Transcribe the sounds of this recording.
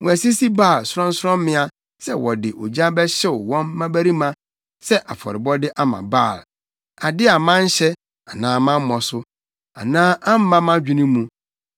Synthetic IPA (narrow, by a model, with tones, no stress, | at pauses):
ŋɔ̃˨æ˨si˦si˦baː˦˨lsʊ˦ɾɔ̃˦n̩˦sɾɔ̃˦m˦mɪ̃˦a˨ | sɛ˦wɔ˨dɪ˨ʔo˨d͡ʑa˦bɛ˦ɕɛ˦ʊ˨wɔ̃˦mːã˦bæ˦ɾi˦mã˦ | sɛ˦ʔa˨fɔ̰˨ɾɪ˨bɔ˦dɪ˦ʔa˦mã̰˨baː˦˨l | a˨dɪ˦a˨mã˦n̩˦ɕɛ˦ | a˨nãː˨˦mã˦m˦mɔ˨sʊ˦ | a̰˨nãː˦ʔã˦m̩˦mã˦mã˦d͡ʑᶣi˦nĩ˦mũ˨